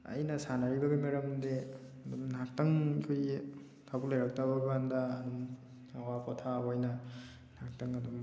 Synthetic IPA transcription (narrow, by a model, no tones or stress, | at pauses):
a̰jnɐsanaɾibɐɡemaɾɐmde | dumnak̚tɐŋikʰoji | tʰabulajɾak̚tabɐɡandaːdum | awapɔtʰawɔjnɐ | nak̚tɐŋɐdum